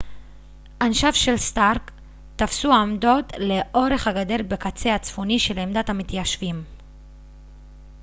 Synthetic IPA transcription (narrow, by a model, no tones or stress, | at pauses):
ʔanʃafʃe̞lstaʁk | tafsuamdo̞t̪le̞ʔo̞ʁe̞χhaɡade̞ʁbekat͡se̞at͡sfoniʃe̞lemd̪atamit̪jaʃvim